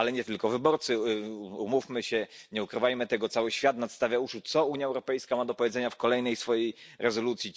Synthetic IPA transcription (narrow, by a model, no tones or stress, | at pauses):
alɛɲɛt̪ɘlkɔvɘbɔɾt̪sɘumufmɘɕɛɲɛukɾɘvajmɘt̪ɛɡɔt̪sawɘɕfʲjat̪nat̪st̪avʲjauʂut̪sɔuɲjaɛwɾɔpɛjskamad̪ɔpɔvʲjɛd̪zɛɲafkɔlɛjnɛjsfɔjejɾʔɛzɔlut̪sʲji